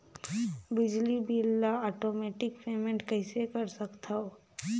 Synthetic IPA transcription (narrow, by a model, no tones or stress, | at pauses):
bɪd͡ʒlibʱiːlːaɔːʈoːmeːʈɪkpeːmẽɳʈkɐɪsekɐɾsɐkt̪aoː